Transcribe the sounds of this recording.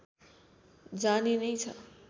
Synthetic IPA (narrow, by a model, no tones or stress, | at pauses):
d͡zaninʌjt͡sʰʌ